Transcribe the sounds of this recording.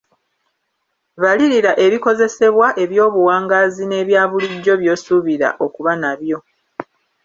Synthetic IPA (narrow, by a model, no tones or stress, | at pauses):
βaliɾiɾaʔe̞βiko̞ze̞se̞βwaʔe̞βjo̞ːβuwaːŋɡaːzine̞ːβjaːβuliɟːo̞βjo̞ːsuβiɾa̰ʔo̞kuβanaβjo̞